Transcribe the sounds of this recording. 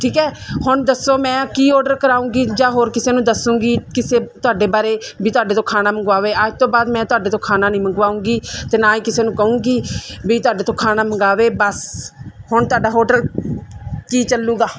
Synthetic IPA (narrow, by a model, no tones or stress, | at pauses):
ʈʰiːkɦɛːhʊɳd̪əsːoːmɛ̃ːkiːɔːɖəɾkəɾaːũːɡiːd͡ʒãːɦoːɾkɪseːnũːd̪əsũːɡiːkɪseːt̪ʊaːɖeːbaːɾeːbiːt̪ʊaːɖeːt̪õːkʰaːnaːməŋɡʋaːʋeːaːd͡ʒt̪õːbaːd̪mɛ̃ːt̪ʊaːɖeːt̪õːkʰaːnaːnĩːməŋɡʋaːũːŋɡiːt̪eːnaːiːkɪseːnũːkəũːɡiːbiːt̪ʊaːɖeːt̪õːkʰaːnaːməŋɡaːʋeːbəshʊɳt̪ʊaːɖaːɦoːɖəl | kiːt͡ʃəlːũːɡaː